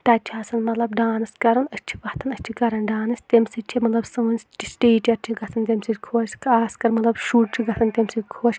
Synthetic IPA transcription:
t̪ɐt͡ʃʰaːsɐnmɐt̪lɐbɖaːnɨskɐɾɨnɐt͡ʃʰi̥ʋɐht̪ɨnɐt͡ʃʰikɐɾɐnɖaːnɨsʲt̪emsit͡ʃʰimɐt̪lɐbsɨʋɨnʲsʲt͡ʃisʈiːt͡ʃʲɐɾt͡ʃʲʰiɡɐt̪ʰɨnt̪ʲemʲsidʲkʰoːt͡ʃkaːskɐɾmɐt̪lɐbʃuːʈ̚t͡ʃʰiɡɐt̪ʰɨnt̪emsitʲkʰoːt͡ʃʲ

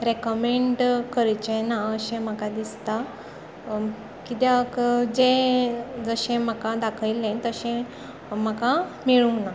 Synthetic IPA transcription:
ɾekəmeɳɖkəɾt͡ɕenaəɕẽm̤əkad̪ist̪a | kit̪jakd͡zẽ | d͡zəɕẽm̤əkad̪akʰəjlẽt̪əɕẽ | m̤əkamiɭũna

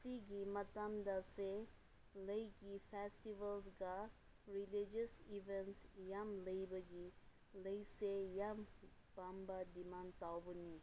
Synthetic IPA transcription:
siɡimɐt̪amd̪ase | ləjkipʰɛsʈiʋəlzɡa | ɾilid͡ʒəsiʋensjamləjbəɡi | ləjsejam | pambad̪imant̪awbuni

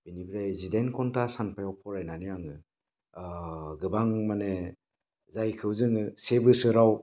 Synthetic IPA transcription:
binibiɾajzidenkʰɔntasanpʰajawpʰɔɾajnanɯjaŋɯ | ɡɯbaŋmane | zajkʰɯwzɯŋɯsebɯsɯɾaw

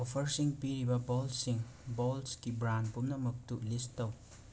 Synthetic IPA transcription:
ɔpʰɐɾsiŋpiɾibɐbɔlsiŋbɔlskibɾanpumnɐmɐk̚tuʔlistɐw

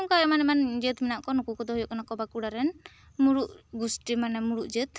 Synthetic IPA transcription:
ɔmkɔɛmanɛmand͡ʒət̪mɛnaʔkɔnɔkukɔd̪ɔɦɔjɔʔkanakɔbakuɽaɾɛn | muɾuʔɡusʈimanɛmuɾuʔd͡ʒət̪̚

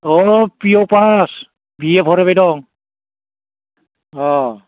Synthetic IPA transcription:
ɔpiopas | biɛpʰɔɾɛbajdɔŋ | ɔ

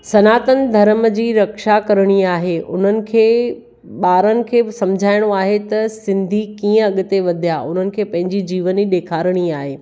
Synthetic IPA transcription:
sɐnaːt̪ənɪ̆d̪ʱɐɾmd͡ʑiːɾɐkʃakɐɾɽ̃iaːɦeʔʊn̤ənɪ̆kʰeː | ɓaːɾənɪ̆kʰeːsɐ̃md͡ʑʱaːɪɽ̃oaːɦet̪ɐsɪ̃nd̪ʱikĩːə̃ɐɠʊt̪eʋɐd̪ʱijaʔʊn̤ənɪ̆kʰeːpɐ̃ɦɪ̃ɲd͡ʑid͡ʑiːʋəniɗeːkʰaːɾəɽ̃iaːɦeː

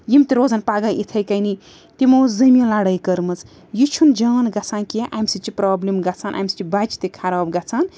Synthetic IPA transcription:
jimt̪iɾoːzɐnpaːɡaʔit̪ʰɐjkɐjni | t̪imoːzɐmʲilaɽɐjkɐɾmɐt͡s | jit͡ʃʰund͡ʒɐːnɡɐt͡sʰaːnkiʔamsit͡ʃipɾaːblimɡɐt͡sʰaːnʔa̰msi̥t͡ʃibat͡ʃʰi̥t̪ikʰaɾaːbɡɐt͡sʰaːn

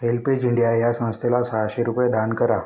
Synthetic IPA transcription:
elpid͡ʑiɳɖijajasəmə̃st̪elasaaɕeɾupjed̪ʱankəɾa

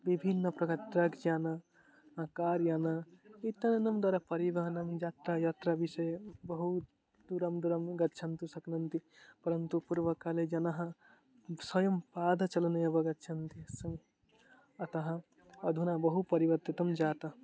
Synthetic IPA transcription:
bibʱinːəpɾɐkɐt̪ɾɐkd͡ʒaːna | ãkaːɾjaːnait̪ːɐnenɐmd̪waːɾapɐɾiʋɐɦɐnɐmd͡ʒat̪ɾajat̪ɾabisɐjebɐɦu | d̪uɾɐmd̪uɾɐmɡɐt̪ːt͡ʃʰɐnt̪usɐknɐnt̪ipɐɾɐnt̪upuɾʋɐkaled͡ʒɐnaɦɐ̃ | sɐjɐmpaːd̪ʱɐt͡ʃɐlnɐjɐbɐɡɐt̪ːt͡ʃʰɐnt̪isɐm | ɐt̪ɐɦɐ̃ | ɐd̪ʱunabɐɦupɐɾibɐɾt̪it̪ɐmd͡ʒaːt̪ɐ

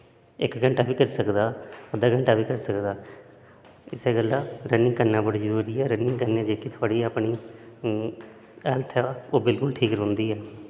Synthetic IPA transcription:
ɪkɡəɳʈaːbiːkəɾiːsəkd̪aːəd̪aːɡəɳʈaːpiːkəɾsəkd̪aː | ɪseːɡəlːaːɾənɪ̃ŋɡ̚kəɾnãːbəɽiːd͡ʒəɾuːɾiːɛːɾənɪ̃ŋɡkəɾneãːd͡ʒeːkit̪ʰʊaːɽiːaːpɳiː | ɛːlt̪ʰaːoːbɪlkʊlʈʰiːkɾõnd̪iːɛː

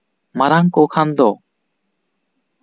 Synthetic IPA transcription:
maɾaŋkokʰand̪o

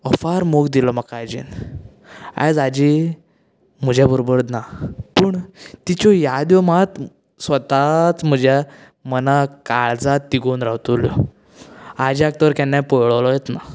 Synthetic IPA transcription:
ɔfaɾmoɡd̪ilɔmakaajd͡ʑḭn | a̰jd͡zad͡ʑi | m̤əd͡ʑjabʱəɾobəɽd̪napəɳt̪it͡ɕɔjad̪jɔmat̪ | sʋət̪at͡sm̤əd͡ʑja | mənakaɭd͡zat̪ːiɡonɾawt̪uljɔ̰ | ad͡ʑiak̚t̪əʋəɾkanːapɔjɭʋlɔjet̪na̰

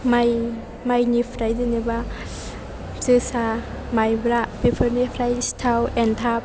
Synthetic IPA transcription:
maj | majnipʰɾajdɯniba | sɯsa | majbɾabipʰɯɾnipʰɾajstʰawentʰap̚

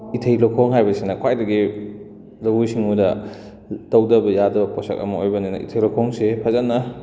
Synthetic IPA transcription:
itʰejlokʰoŋɦajbɐsinɐkʰwajdɐɡi | lɐwujsiŋudɐ | tɐwdɐbɐjadɐbɐpɔsɐ̰kɐ̰mɐojbɐninɐ̰ʔḭtʰejlokʰɔŋsepʰɐzanːɐ

